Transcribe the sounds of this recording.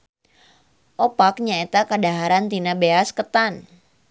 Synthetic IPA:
ʔɔpak̚ɲaet̪akadaɦaɾant̪inabeaskət̪an

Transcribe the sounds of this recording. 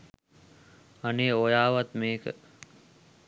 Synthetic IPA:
aneojaːʋat̪meːkə̰

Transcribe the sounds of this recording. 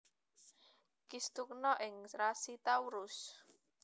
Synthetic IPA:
kist̪uk̚nɔʔɪŋɾasit̪awɾʊs

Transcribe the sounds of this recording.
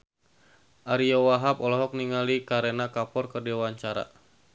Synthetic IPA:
ʔaɾijɔwaɦapɔlɔɦɔk̚niŋalikaɾenakapɔrkərdiwaɲt͡ʃaɾa̰

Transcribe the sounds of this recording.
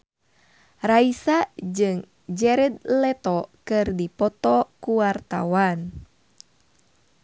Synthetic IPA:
raisad͡ʒɨŋ | d͡ʒɛɾɛd̪̚lɛt̪ɔkɨrdipɔt̪ɔkuwart̪a̰wan

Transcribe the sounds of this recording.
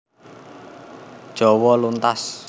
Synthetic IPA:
d̥ʒ̥ɔ̤wɔlunt̪as

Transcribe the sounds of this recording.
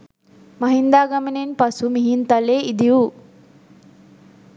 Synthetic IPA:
mɐɦind̪aːɡamenenpasumiɦint̪aleːid̪iu

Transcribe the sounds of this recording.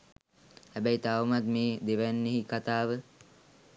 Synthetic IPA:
hæbæjt̪aʋumat̪meːd̪eʋænːeɦikat̪aːʋə

